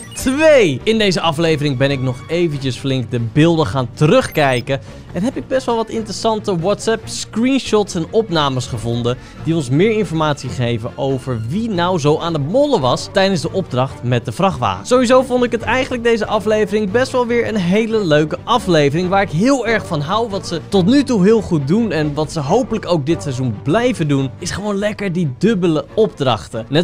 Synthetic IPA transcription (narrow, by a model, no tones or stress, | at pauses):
tʋejɪndejzəʔɑflejvərɪŋbɛnɪknɔχejvəncəsflɪŋk̚dəbɪːlˠdəχaːntərɵχkɛjkə | ɛnɦɛpɪɡ̚bɛstʋɛlˠʋɑtɪntrəsɑntəwɔtsɛpskrinʃɔtsɛnɔpnaːməsχəvɔndə | diɔnsmɪːɹɪnfɔɹmaːtsiχejvəʔowvəɹʋinawzowʔaːndəmɔləʋɑstɛjdənzdəʔɔb̚drɑχtmɛt̚dəvrɑχʋa̰ːəsowʋizowvɔndɪkɦətɛjχənləɡ̚dejzəʔɑflejvərɪŋbɛstʋɛlˠʋɪːɹənɦejləløɥkəʔɑflejvərɪŋʋaːɹɪkɦɪːlˠɛɹχfɑnɦɑwʋɑtsətɔtnytuɦɪːlˠχut̚dunɛnʋɑtsəɦowpələkowk̚dɪtsɛjzunblɛjvəndunɪsχəʋownlɛkəɹdidɵbələɔb̚drɑ̰χtənɛ